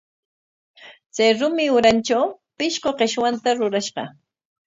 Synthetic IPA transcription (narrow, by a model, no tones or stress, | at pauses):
t͡sajɾʊmɪʊɾant͡ʃawpɪʃqoqeʃwant̪aɾʊɾaʃɢɑ̰